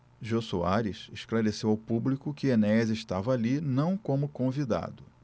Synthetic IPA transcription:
ʒosua̰ɾiʃeʃklaɾesewawpublikʊkɪenɛzeʃt̪avɐalinɐ̃w̃kõmʊkõvid̪a̰d̪ʊ

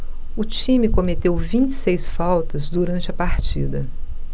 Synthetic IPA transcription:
ʊt͡ʃĩmɪkomet̪ewvĩnt͡ʃɪ̥sejsfawt̪ɐzd̪uɾɐ̃nt͡ʃɪɐpaɾt͡ʃḭd̪ɐ

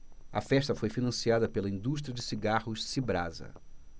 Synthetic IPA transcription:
ɐ̰fɛʃt̪ɐfojfinɐ̃siad̪ɐpelɐĩnd̪uʃt̪ɾiɐd͡ʒɪsiɡahʊʃsibɾa̰zɐ̰

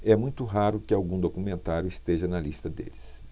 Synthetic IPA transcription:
ɛmũj̃t̪ʊɦaɾʊkɪawɡũd̪okumẽnt̪aɾjʊist̪eʒɐnɐlist̪ɐd̪ḛlɪs

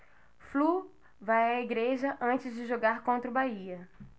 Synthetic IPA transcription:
flu | vajɐiɡɾeʒɐʔɐ̃nt͡ʃɪzd͡ʒɪʒoɡaɾkõnt̪ɾʊbaiɐ

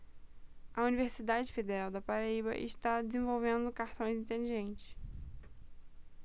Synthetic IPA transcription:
ɐuniveɾsid̪ad͡ʒɪfed̪eɾawd̪ɐpaɾaibɐ̰ʔɪ̰ʃt̪ad͡ʒɪzẽvowvẽnd̪ʊkaɾt̪õj̃zĩnt̪eliʒẽnt͡ʃɪ̥s

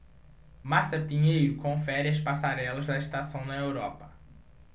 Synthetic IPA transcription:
maɾsɐpĩɲejɾʊkõfɛɾɪɐspasaɾɛlɐzd̪ɐiʃt̪asɐ̃w̃nɐewɾɔpɐ̥

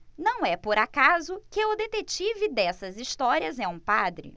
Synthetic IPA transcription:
nɐ̃w̃ɛpoɾakazʊkɪʊd̪et̪et͡ʃivɪd̪ɛsɐzist̪ɔɾiɐzɛũpad̪ɾɪ̰

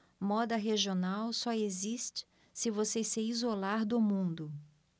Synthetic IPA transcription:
mɔd̪ɐɦeʒionawsɔezist͡ʃɪ̥ | sɪvoseseɾizolaɾd̪ʊmũnd̪ʊ

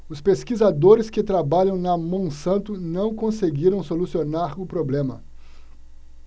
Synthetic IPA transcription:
ʊspeskizad̪oɾɪskɪt̪ɾabaʎɐ̃w̃nɐmõsɐ̃nt̪ʊnɐ̃w̃kõseɡiɾɐ̃w̃solusionaɾʊpɾoblẽmɐ̰

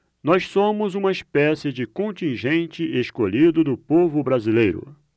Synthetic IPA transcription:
nɔssõmʊzũmɐispɛsɪd͡ʒɪkõnt͡ʃĩʒẽnt͡ʃɪʔeskoʎid̪ʊd̪ʊpovʊbɾazilejɾʊ̰

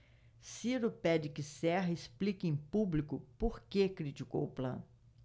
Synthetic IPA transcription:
siɾʊpɛd͡ʒɪkɪsɛɦɐesplikɪẽj̃publikʊpoɾkekɾit͡ʃiko̰wʊplɐ̰̃n

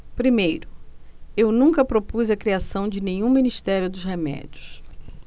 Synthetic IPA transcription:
pɾimejɾʊewnũŋkɐpɾopuzɐkɾiasɐ̃w̃d͡ʒɪnẽɲũminiʃt̪ɛɾjʊd̪ʊshemɛ̰d͡ʒʊs

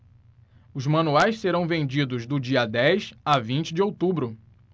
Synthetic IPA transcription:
ʊzmɐ̃nuajsseɾɐ̃w̃vẽnd͡ʒid̪ʊzd̪ʊd͡ʒiɐd̪ɛjsavĩnt͡ʃɪd͡ʒɪowt̪ubɾʊ

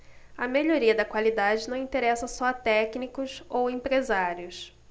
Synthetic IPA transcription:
ɐmeʎoɾiɐd̪ɐkwalid̪ad͡ʒɪnɐ̃w̃ĩt̪eɾɛsɐsɔɐt̪ɛknikʊsowẽmpɾezaɾjʊs

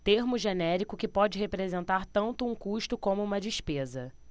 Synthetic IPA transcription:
t̪eɾmʊʒenɛɾikʊkɪpɔd͡ʒɪɦepɾezẽnt̪aɾt̪ɐ̃nt̪ʊũkuʃt̪ʊkõmʊũmɐd͡ʒiʃpezɐ

